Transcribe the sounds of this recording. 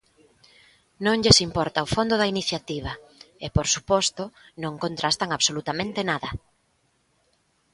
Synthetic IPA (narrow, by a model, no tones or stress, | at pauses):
nõŋʎesimpɔɾt̪aofond̪ʊðɐiniθjat̪iβ̞ɐɪpoɾsupɔst̪ʊnõŋkont̪ɾast̪aŋaβsolut̪amẽnt̪ɪnaðɐ